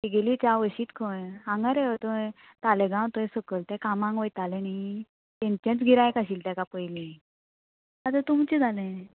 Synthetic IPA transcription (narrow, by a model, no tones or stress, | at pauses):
ɦiɡelit͡ɕaʋəɕiːt̪kʰəãŋɡaɾeət̪ə | t̪alɛɡãwt̪əẽsəkəlt̪ɛ̃kamãŋɡʋəjt̪alɛnai | t̪ẽnt͡ɕãt͡sɡʱiɾajkaɕiːlt̪akapəjlĩ | at̪ət̪umt͡ɕid͡zʱalẽ